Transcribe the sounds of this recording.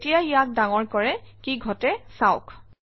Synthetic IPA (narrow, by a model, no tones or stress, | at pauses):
tijaijak̚daŋɔɹkɔɹɛkiɡʱɔtɛsaʊk